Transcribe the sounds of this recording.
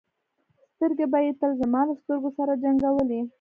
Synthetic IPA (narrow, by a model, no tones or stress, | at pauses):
st̪əɾɡebajet̪əlzəmɑlast̪əɾɡosaɾad͡ʒaŋɡawəli